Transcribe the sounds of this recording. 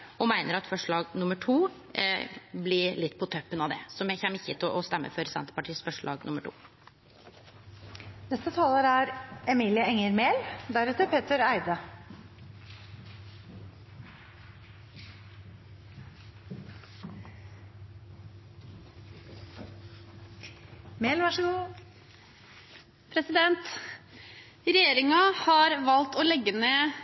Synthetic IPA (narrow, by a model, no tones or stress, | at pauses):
ɔmæɪnəɾɑt̪fɔʂɭɑːɡnʊməʈʰuː | blɪlɪt̪ːpʰɔt̪ʰœpːənɑʋd̪ɛsɔmjæçɛnmːəɪçːət̪ʰʔɔst̪ɛmːə̰fɔɾsɛ̰nt̪ə̥pɑʈʰiːsfœʂɭʔɑ̰ːɡnʊməʈʰṵː | nɛst̪ət̪ʰɑːləɾæɾɛmiːlɪəɛŋəɾmeːld̪æɾɛt̪əpʰeːt̪əɾæɪd̪ə | meːlʋɑʂəɡuː | pʰɾɛsɪd̪ɛnt̪ | ɾɛjeːɾɪŋɑhɑɾʋɑlt̪oːlɛɡːəneː